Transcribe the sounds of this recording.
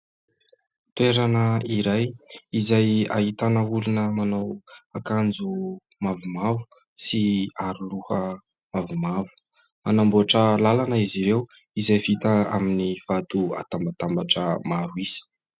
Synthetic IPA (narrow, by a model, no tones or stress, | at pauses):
t̪ueɾanəiɾajizaja̰hit̪anəulunəmanawakand͡zu | mavumavu̥ | siaɾuluhə | mavumavu̥ | manamboaʈ͡ʂəlalanəiziɾew | izajvit̪əa̰miniv̥at̪ua̰t̪ambat̪ambaʈ͡ʂəmaɾuisə̥